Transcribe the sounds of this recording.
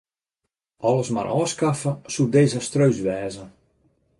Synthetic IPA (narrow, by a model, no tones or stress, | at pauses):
ʔɔləsma̰ɾʔɔːskafəsudeːzəstrøɥsʋɛːzən